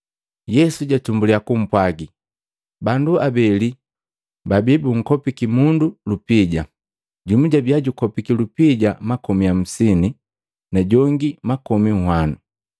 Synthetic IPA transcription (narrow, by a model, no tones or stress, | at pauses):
jɛsuɟatumbuliakum̩pwaɡi | banduabɛli | babibuŋ̩kɔpikimundulupiɟa | ɟumuɟabiaɟukɔpikilupiɟamakɔmiam̩sini | naɟɔŋɡimakɔmiŋ̩hwanu